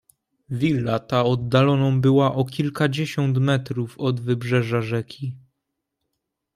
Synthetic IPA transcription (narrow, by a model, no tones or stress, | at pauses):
vʲilːat̪aɔd̪ːalɔnɔ̃w̃bɘwaʔɔkʲilkad͡ʑeɕɔnt̪mɛt̪ɾufɔd̪vɘbʐɛʐaʐɛkʲi